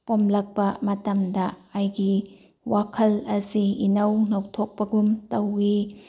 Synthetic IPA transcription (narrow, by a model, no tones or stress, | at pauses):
pomlɐk̚pɐmɐtɐmdɐajɡi | wakʰɐlɐsiinɐwnowtʰok̚pɐɡumtɐwi